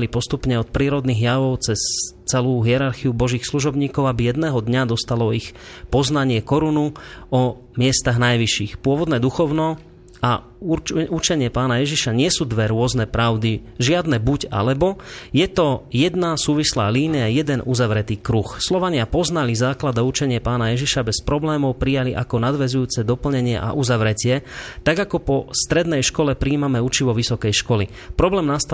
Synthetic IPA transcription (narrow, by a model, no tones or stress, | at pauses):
lipɔst̪upɲɛɔt̪̚pɾiːɾɔd̪niːɣjaʋɔʊt͡sɛst͡sɛluːɦiɛɾaɾxiubɔʒiːxsluʒɔbɲiːkɔʊabijɛd̪nɛːɦɔd̪ɲad̪ɔst̪alɔixpɔznaɲɪɛkɔɾunuɔ | mɪɛst̪aɣnajʋiʃiːxpʊɔʋɔd̪nɛːd̪uxɔʊnɔ | a | ut͡ʃɛɲɪɛpaːnajɛʒiʃaɲɪɛsuːd̪ʋɛɾʊɔznɛpɾaʊd̪iʒɪad̪nɛbuɟa̰lɛbɔjɛt̪ɔjɛd̪nasuːʋislaːliːnijajɛd̪ɛnʔuzaʋɾɛt̪iːkɾuxslɔʋaɲɪapɔznalizaːklad̪aut͡ʃɛɲɪɛpaːnajɛʒiʃabɛspɾɔblɛːmɔʊpɾijaliʔakɔnad̪ʋɛzujuːt͡sɛd̪ɔpl̩ɲɛɲɪɛ̰ʔa̰ʔuzaʋɾɛcɪɛt̪aɡakɔpɔst̪ɾɛd̪nɛjʃkɔlɛpɾiːmamɛut͡ʃiʋɔʋisɔkɛjʃkɔli | pɾɔblɛːmnast̪